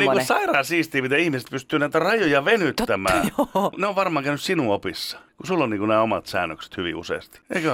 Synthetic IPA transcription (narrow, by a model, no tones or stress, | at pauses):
niːkusɑirɑːsiːst̪iːmit̪æihmise̥t̪̚pyst̪ˑyːnæit̪ærɑjojɑʋenyt̪ːæmæ̰ːneoʋʋɑrmɑːŋkæˑynyssinuopisːɑ̥kusulːonniːkunæːomɑ̰t̪sæ̰ːnːøkse̥t̪hyʋḭṵsḛist̪i̥ḛikø